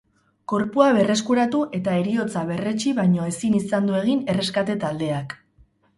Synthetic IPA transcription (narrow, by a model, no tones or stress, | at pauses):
ko̞ɾpuaβe̞re̞skuɾat̪uʔe̞t̪ae̞ɾio̞t͡saβ̞e̞re̞t͡ʃiβajɲo̞e̞sinisand̪ue̞ɣ̞ine̞re̞skat̪e̞t̪ald̪e̞ak